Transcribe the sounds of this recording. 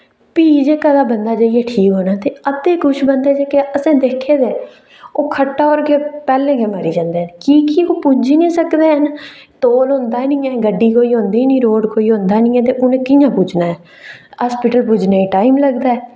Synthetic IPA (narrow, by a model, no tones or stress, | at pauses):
piːd͡ʒeːkəd̪aːbənd̪aːd͡ʒaːiɛːʈʰiːkɦoːnaːt̪eːət̪eːkʊʃʰbənd̪eːd͡ʒeːkeəsẽːd̪eːkʰːeːd̪eː | oːkʰəʈːaːoːɾkeːpɛːlẽːɡeːməɾiːd͡ʒãːnd̪eːənkiːkioːpud͡ʒiːnĩːsəkd̪eːɦən | t̪oːlɦõnd̪aːnĩːɛ̃ːɡəɖːiːkoːiːɦõːnd̪eːnĩːɾoːɖkʰoːiːɦõːnd̪aːnĩːɛ̃ːt̪eːʔʊnẽːkɪjãːpud͡ʒnaːɛː | aːspɪʈəlpud͡ʒnaːiːʈaːimləɡd̪aːɛː